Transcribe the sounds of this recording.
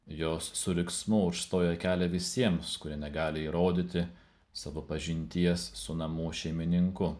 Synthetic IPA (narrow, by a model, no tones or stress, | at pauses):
joːsːʊɾʲɪksmʊʊʃst̪oːjɛkʲæːlʲɛʋʲɪsʲiɛmskʊɾʲiɛnʲɛɡɑːlʲɪiːɾoːd̪ʲit̪ʲɪ | sɐʋopɐʒʲɪnʲt̪ʲiɛsːʊnɐmʊʃʲɛɪmʲɪnʲɪŋkʊ